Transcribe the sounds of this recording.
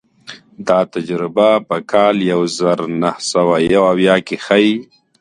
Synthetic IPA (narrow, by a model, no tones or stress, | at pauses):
d̪ɑt̪ad͡ʒɾɪbapəkʰɑːljawzaɾnahsawajawawjɑkexai